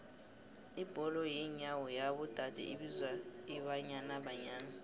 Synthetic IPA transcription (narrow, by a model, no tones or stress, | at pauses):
ib̥ʱɔlɔjiɲawɔjaɓud̥ʱad̥ʱɛ̰ʔiɓizwaiɓaɲanaɓaɲaːna